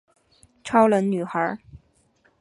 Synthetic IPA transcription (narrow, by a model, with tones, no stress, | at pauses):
ʈ͡ʂʰɑ˥ʊlə˧˥nny˨˩xə˞˧˥